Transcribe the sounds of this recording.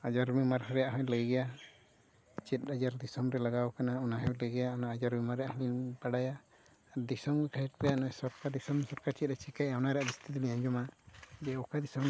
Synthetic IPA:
ad͡ʒaɾmimaɾhɾɛjaʔɦɔjləɡɛja | t͡ʃɛt̪̚ˀad͡ʒaɾd̪isɔmɾɛlaɡawkanaɔnaɦɔjləɡɛjaɔnaːd͡ʒaɾmimaɾːɛjahɔbaɽajaː | d̪isɔmkʰaʈ̚ɾɛanɔsɔɾkaɾd̪isɔmsɔɾkaɾt͡ʃɛt̪̚ɾɛt͡ʃikajawnaɾɛʔabist̪ʰit̪liad͡ʒɔmad͡ʒɛɔkad̪isɔm

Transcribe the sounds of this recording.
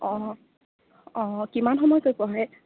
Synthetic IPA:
ɔ̃ | ɔ̃kimanxɔmɔjkojpɔaɦɛ

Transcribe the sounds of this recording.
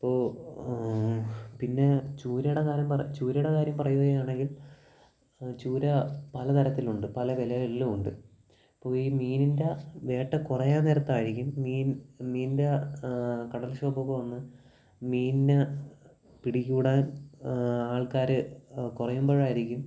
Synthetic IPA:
ipːo̞ː | pinːe̞t͡ɕuːɾɐjuɽɐkaːɾjɐmpɐrɐt͡ɕuːɾɐjuɽɐkaːɾjɐmpɐrɐjuɣɐjaːɳe̞ŋɡil | t͡ɕuːɾɐpɐlɐt̪ɐɾɐt̪ːiluɳɖɨpɐlɐʋelɐelːumuɳɖɨ | ipːoːiːmiːnindeʋe̞ːʈːɐkurɐjaːneːɾɐt̪ːaːjiɾikʲːumːiːnmiːninde | kɐɽɐlɕoːbɐkːɐʋɐnːɨ | miːninɐ | piɽikʲːuːɽaːn | aːɭkaːɾɨkurɐjumbo̞ːɻaːjiɾikʲːum

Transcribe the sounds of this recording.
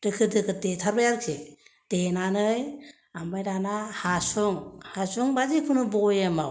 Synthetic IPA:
dɯkʰɯdɯkɯdetʰaɾbajaɾkʰed̥enanɯj | ambajɾanahasuŋhasuŋbad͡ʒikʰunubɔjemaw

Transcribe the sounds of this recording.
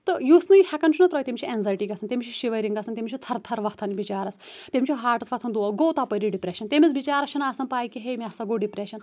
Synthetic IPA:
t̪ɨjusnujhɛkɐnt͡ʃʰunɐt̪ɾɔːjt̪emʲt͡ʃʰienzaːjʈiːɡɐsʰɐnt̪emʲit͡ʃʰiʃiʋɐɾiŋɡɐsʰɐnt̪emʲit͡ʃʰit̪ʰɐɾt̪ʰɐɾʋɐkʰt̪ʰɐnbit͡ʃaːɾɐs | t̪emʲt͡ʃʰiɦaːɾʈɐsʋɐt̪ʰɐnd̪uɡoːwt̪ɐpɐɾiɖipɾeʃɐnt̪ʲemʲit͡sbit͡ʃaːɾɐʃʰɐnaːsɐnpaːjkiɦemʲiɐsɐɡoɖipɾeʃɐn

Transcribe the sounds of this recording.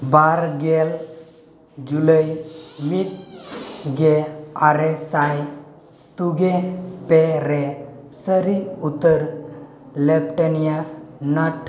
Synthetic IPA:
baɾɡel | d͡ʑuləjʋit̪̚ | ɡeaɾesaj | t̪uɡepeɾe | səɾiut̪ːəɾ | lɛpʈənijanaʈʰ

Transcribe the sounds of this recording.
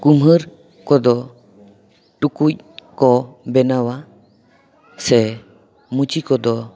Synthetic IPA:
kumɦəɾ | kɔd̪ɔ | ʈukuc̚ | kɔbɛnawa | sɛ | mut͡ʃikɔd̪ɔ

